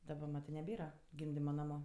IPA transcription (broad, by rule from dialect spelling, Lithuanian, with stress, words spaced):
dɐˈbɐ ˈmɑːtɜ nʲɛˈbʲeːrɐ ˈɡʲɪmʲdʲɪmɐ ˈnɑːmʊ